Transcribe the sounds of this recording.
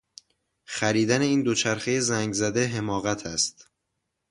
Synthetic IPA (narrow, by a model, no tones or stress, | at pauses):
xæɾiːd̪æne̞iːnd̪o̞t͡ʃʰæɾxe̞je̞zæŋɡzæd̪e̞ɦe̞mɒːɣæt̪ʰæst̪